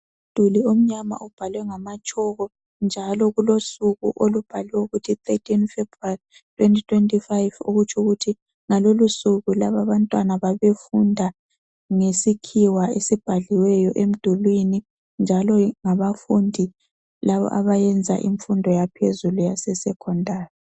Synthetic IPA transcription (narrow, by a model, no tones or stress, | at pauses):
ud̥ʱuliom̩ɲama̰ʔub̥ʱalwɛŋamat͡ʃʼɔɣɔ | nd͡ʒʱalɔɣulosuɣṵʔolub̥ʱaliwɛuɣutʰitʰetʰinfebrali | tʰwentʼitʰwentʼifajvo̰ɣut͡ʃʰʼuɣutʰi | ŋalolusuɣulaβaβantʼwanaβaβefundʱa | ŋesikʰiwaesib̥ʱaɮiwɛjɔʔem̩d̥ʱulwini | nd͡ʒʱalɔŋaβafundʱi | laβɔ̰ʔa̰βajɛnd͡zʱa̰ʔḭɱfundʱɔjapʰezulujasɛsɛkʰɔndʱaːri